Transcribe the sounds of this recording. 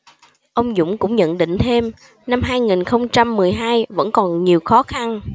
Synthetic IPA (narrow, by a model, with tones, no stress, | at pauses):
ʔə˧wŋ͡mzʊ̰˧˥ŋ͡mkʊ̰˧˥ŋ͡mɲə̰˧˨nɗḭ̈˧˨ŋ̟t̪ʰe˧m | na˧mɦaː˧jŋi˨˩nxə˧wŋ͡mt͡ɕa˧mːɨ˨˩əjɦaː˧jvə̰˧˥nkɔ˨˩nɲi˨˩əwxɔ˨˦xa˧n